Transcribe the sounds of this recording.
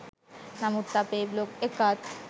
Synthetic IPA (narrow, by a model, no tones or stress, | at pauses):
samut̪ːapeblokekat̪